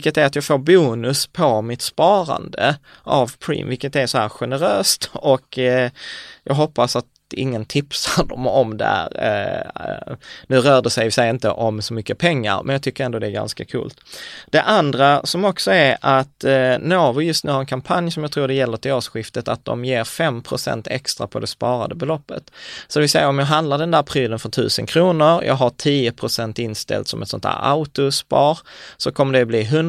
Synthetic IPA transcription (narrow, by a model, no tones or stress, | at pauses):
kːət̪æɾat̪jɑːɡfoːɾbuːnɵspʰɔmɪt̪spɑːɾa̰nd̪ə̰ | ʔavpʰɾḭːmvɪlkːət̪æsɔhæːɾɧɛnəɾøːst̪ɔk | jɑ̰ːɡɦɔpːasat̪ | ɪ̰ŋːənt̪ʰɪpsaɖɔmɔmd̪ɛ̰hæ̰ːɾ | nʉ̟ːɾœːɖɛsɛjvɪsɛjːɪnt̪ə̰ʔɔmsɔmʏkːəpʰɛŋːa̰ɾmɛ̰njɑɡ̚t̪ʏkːəɾɛnd̪oːd̪ɛæɾɡa̰nskakʰṵːlt̪d̪̥ɛʔand̪ɾasɔmɔksɔæɾʔat̪noːvʊjɵst̪nʉ̟ːhaɾɛnkʰampʰanjsɔmjɑɡt̪ʰɾuːɖɛjɛlːətʰɪoːʂɧɪft̪ət̪at̪̚d̪ɔ̰mjeːɾfɛmpʰɾʊsɛ̰nt̪ʰɛ̰kst̪ɾa̰pʰɔd̪ɛspɑːɾa̰d̪əbɛlɔpːə̰t̪sɔd̪ɛvɪlsɛjːaɾɔmjɑːɡɦand̪laɖɛnd̪æːɾpʰɾyːlənfœt̪ʰʉ̟ːsənkʰɾuːnəɾjʔɑ̰ːɡɦaʈʰiːəpʰɾʊsɛnt̪ɪnst̪ɛ̰lt̪sɔmɛt̪sɔnt̪ʰæ̰ːɾa̰ʊt̪ʊspɑːɾsɔkʰɔmːəɖɛbliːɦɵn